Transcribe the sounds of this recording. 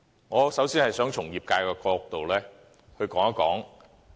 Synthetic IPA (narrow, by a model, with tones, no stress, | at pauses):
ŋɔː˨˧sɐ˨˥wsiː˥nhɐ˨jsœː˨˥ŋt͡ʃʰʊ˨˩ŋjiː˨p̚kaː˧jkɛː˧kɔː˧k̚t̪o˨wlɛː˥ | hɵ˧ɥkɔː˨˥ŋɐ˥kɔ̰ː˨˥ŋ